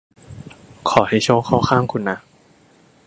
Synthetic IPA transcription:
kʰɔː˨˩˦ha˧˥˩jt͡ɕʰoː˧˥˩kʰaː˥˩wxʰaː˥˩˨ŋkʰu˧˩nːa˦˥

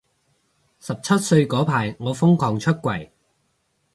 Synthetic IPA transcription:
sɐ˨p̚t͡sʰɐ˥t̚sɵ˧ɥkɔː˨˥pʰaː˨˩jŋɔː˨˧fʊ˥ŋkʰɔː˨˩ŋt͡ʃʰɵ˥t̚kʷɐ˨˩j

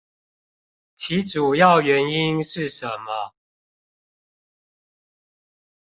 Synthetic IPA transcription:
t͡ɕʰi˨˦ʈ͡ʂu˨˩jɑ˥˨ʊɥɛ˨˦ni˦nʂɻ̩˥˨ʂə˨˦mə˦

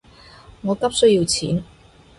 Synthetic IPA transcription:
ŋɔː˨˧kɐ˥p̚sɵ˥ji˧wt͡sʰiː˨˥n

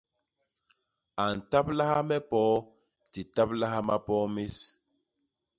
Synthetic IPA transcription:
a˨n̩˨ta˦p̚la˦ha˦mɛ˦pɔː˦ | ti˨ta˦p̚la˦ha˦ma˦pɔ˦mi˦s

